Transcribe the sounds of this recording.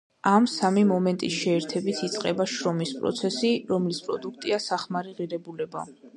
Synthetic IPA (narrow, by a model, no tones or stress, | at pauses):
amsamimɔmɛnt̪ʼḭsʃɛːɾt̪ʰɛbit̪ʰit̪sʼqʼɛbaʃɾɔmispʼɾɔ̰t̪sʰɛsiɾɔmlispʼɾɔ̰d̪uk̚ʰt̪ʼiasaχmaɾiʁiɾɛbulɛba̰